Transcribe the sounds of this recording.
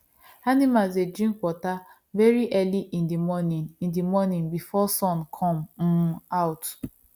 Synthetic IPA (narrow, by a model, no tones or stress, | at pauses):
animalsdedɹĩmkwɔta | vɛɹiʔɛliʔĩndimɔnĩnĩndimɔnĩnbifɔsɔ̃nkʰɔ̃m̩ | aʊt